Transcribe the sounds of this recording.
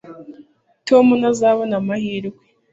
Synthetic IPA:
tʰo̞ːmunazaβanamahiːɾɡwe

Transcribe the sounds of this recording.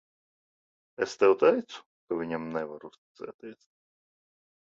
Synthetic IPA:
ɛst̪ɛwt̪ɛjt̪sʊ̥ | kavʲiɲʲɛmnɛvaɾust̪sɛ̰ːt̪ʲiːsʲ

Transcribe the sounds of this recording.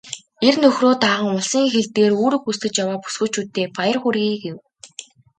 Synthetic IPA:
ernɵxroːt̪aːʁə̆ŋʊɮsiːŋxeɮt̪eːruːɾɵ̆xust̪ɘ̆t͡ɕjawaːpu̥sɡɵ̆t͡ɕʰuːt̪ːeːpajə̆rχuɾɣiːɡew

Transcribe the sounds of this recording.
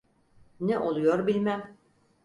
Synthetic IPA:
nɛʔolˠujoɾbilʲmæm

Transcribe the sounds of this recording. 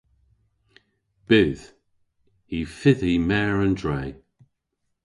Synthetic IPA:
b̥ɪð̥ | ifɪðimɛːɹə̃ndɹej

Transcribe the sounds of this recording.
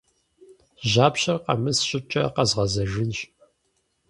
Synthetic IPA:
ʒaːpɕɐrqɐ̰mɨsɕʼɪt͡ʃʼɐqɐzʁɐzɐʒɪnɕ

